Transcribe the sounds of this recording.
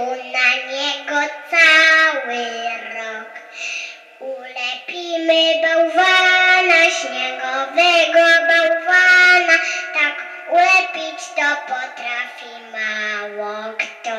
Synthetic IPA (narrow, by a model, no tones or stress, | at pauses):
unaɲɛɡɔt͡saweɾɔk | ulɛpimebawvanaʃɲɛɡɔvɛɡɔabawvanat̪ak | ulɛpit͡ʃt̪ɔpɔt̪ɾafi | mawɔktɔ